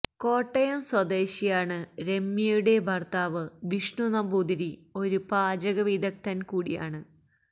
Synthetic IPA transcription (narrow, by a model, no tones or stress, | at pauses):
ko̞ːʈːɐjɐmswɐd̪e̞ːɕijaːɳɨɾe̞mːjɐjuɽe̞bʱɐrt̪aːʋɨʋiʂɳunɐmbuːd̪iɾio̞ɾupaːd͡ʑɐɣɐʋiːd̪ɐk̚t̪ɐnkuːɽija̰ːɳɨ